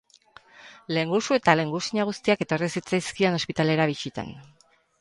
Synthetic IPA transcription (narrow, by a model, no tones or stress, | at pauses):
le̞ŋɡusue̞t̪ale̞ŋɡusiɲaɣ̞ust̪iake̞t̪o̞risit͡sajskiano̞spit̪ale̞ɾaβisit̪a̰n